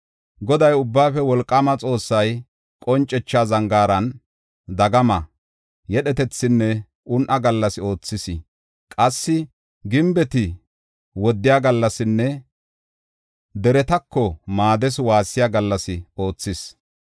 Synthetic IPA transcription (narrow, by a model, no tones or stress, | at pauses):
ɡɔd̪ɐjʊbːaːfɛwɔlkʼːɐmɐt͡sʼo̞ːsːɐj | kʼɔnt͡ʃʼːɛt͡ʃːaːzɐŋɡaːɾɐn | d̪ɐɡɐmɐ | jɛɗɛt̪ɛt͡sːɪnːɛ | ʔʊnʔɐɡɐlːɐsɪo̞ːt͡sːɪsɪ | kʼɐsːɪ | ɡɪmbɛt̪ɪ | wɔd̪ːɪjaːɡɐlːɐsɪnːɛ | d̪ɛɾɛt̪ɐkːɔmaːd̪ɛswaːsːɪjaːɡɐlːɐsɪo̞ːt͡sːɪs